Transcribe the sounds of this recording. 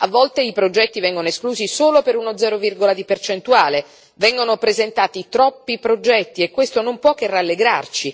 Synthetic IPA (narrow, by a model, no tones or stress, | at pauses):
avːɔlt̪eipɾod͡ʒɛt̪ːivɛŋɡonoeskluːzisoːlopeɾunod̪zɛːɾovirɡolad̪ipert͡ʃent̪uaːle | vɛŋɡonopɾezent̪aːt̪it̪ɾɔpːipɾod͡ʒɛt̪ːiekːwest̪onompwɔk̟ːeralːeɡɾa̰rt͡ʃi